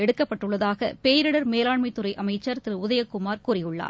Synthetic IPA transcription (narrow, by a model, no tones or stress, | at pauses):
ɛɽɯkːɐpːɐʈːɯɭːɐðaːɣɐ̰peːjɾɪɽɐɾmeːlaːɳmɐɪt̪ːɯɾɐɪʔɐmɐɪt͡ʃːɐɾt̪ɪɾɯʊðɐjɐkːʊmaːɾkuːrɪjɯɭːa̰ː